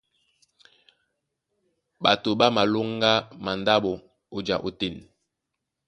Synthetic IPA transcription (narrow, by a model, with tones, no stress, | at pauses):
ɓa˨to˨ɓa˦ma˨lo˦ŋ˦ɡa˦ma˨nda˦ɓo˨ | o˨d͡ʒa̰˨ʔo˨te˨n˨